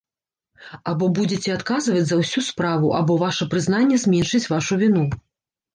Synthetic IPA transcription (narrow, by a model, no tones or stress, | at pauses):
abɔbud͡zʲɛt͡sʲɛat̪kazvɐd͡zʲzɐwsʲuspɾavuʔa̰bɔvaʂɐpɾɨzn̪anʲːɛzʲmʲɛnʂɨt͡sʲvaʂuvʲinu